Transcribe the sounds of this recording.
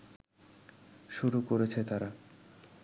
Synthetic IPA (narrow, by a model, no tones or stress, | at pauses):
ʃuɾukoɾet͡ɕʰet̪aɾa